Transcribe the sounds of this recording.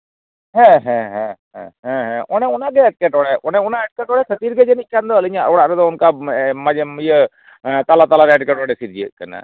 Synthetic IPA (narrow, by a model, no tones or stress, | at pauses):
ɦɛ̃ɦɛ̃ɦɛ̃ɦɛ̰̃ɦɛ̃ɦɛ̃ʔɔnɛʊnaɡɛɛʈ̚kɛʈɔɽɛʔɔnɛʊnaɛʈ̚kɛʈɔɽɛsʰət̪iɾɡɛd͡ʒɛnikʰːand̪ɔəliɲaʔɔɽaʔɾɛd̪ɔʊnkamad͡ʒmijə | t̪alat̪alaɾɛːʈkɛʈɔɽɛsiɾd͡ʒiə̰ʔkana̰